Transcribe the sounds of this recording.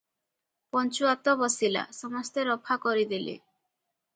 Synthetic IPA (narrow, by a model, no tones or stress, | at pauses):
pɔnt͡ɕuat̪obɔsila̰ʃɔmɔst̪eɾɔpʰakoɾid̪ilḭ